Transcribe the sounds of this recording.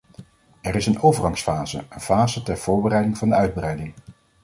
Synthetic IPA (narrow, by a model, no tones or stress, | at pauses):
ɛɾɪsənowvəɹɑŋsfaːzəənvaːzətɛɹv̥ʊːɹbəɾɛjdɪŋvɑndəœɥd̚brɛjdɪŋ